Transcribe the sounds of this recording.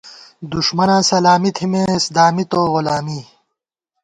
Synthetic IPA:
d̪uʂmɐnãːsɐlaːmit̪ʰimẽːsd̪aːmit̪oːʁulaːmi

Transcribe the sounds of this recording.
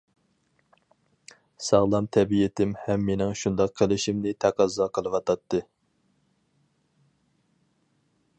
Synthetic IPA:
sɑʁlˠɑmt̪ʰɛbijɪt̪ʰɪmhɛmːenɪŋʃund̪ɑqʰːəlɪʃimnɪt̪ʰæqʰɑzːɑqʰəlˠɨwɑt̪ʰɑt̪ʰːɨ

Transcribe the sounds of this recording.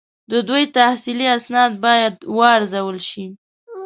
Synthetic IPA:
d̪əd̪ojt̪ahsiliasnɑd̪̚bɑjad̪wɑɾzawəlʃi

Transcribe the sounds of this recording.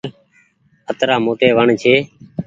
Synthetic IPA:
ət̪ɾaːmoːʈeːʋəɳt͡ʃʰeː

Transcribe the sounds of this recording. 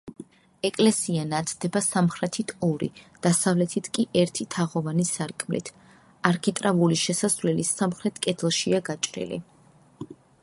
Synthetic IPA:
ɛkʼlɛsianat̪ʰd̪̥ɛbasamχɾɛt̪ʰit̪ʰɔɾḭd̪̥asavlɛt̪ʰit̪ʰkʼiʔɛɾt̪ʰit̪ʰaʁɔvanisaɾkʼmlḭt̪ʰ | aɾkʰit̪ʼɾavuliʃɛsasvlɛlisamχɾɛt̪ʰkʼɛd̪ʰlˠʃiaɡat͡ʃʼɾḭlḭ

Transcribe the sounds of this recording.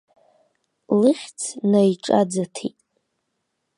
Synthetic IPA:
lɨχʲt͡sʰnajʈ͡ʂʼa̰d͡zatʰitʼ

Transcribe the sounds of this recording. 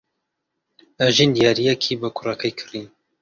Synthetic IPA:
ɐʒind̪ijɑɾijɛkʰibakʰʊrɐkʰɐjkʰɨ̥rin

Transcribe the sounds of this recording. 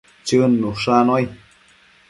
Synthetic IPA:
t͡ʃɨnːuʂanoj

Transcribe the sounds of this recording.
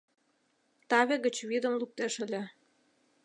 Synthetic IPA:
t̪ɑβʲeɣə̆t͡ɕβid̪ə̆mlup̚t̪eʃə̆lʲĕ

